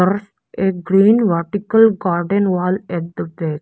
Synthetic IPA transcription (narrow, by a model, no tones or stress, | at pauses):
əɾs | eɡɾiːnʋəɾʈikəlɡaːɾɖenʋaːlɛʈ̚d̪əbeː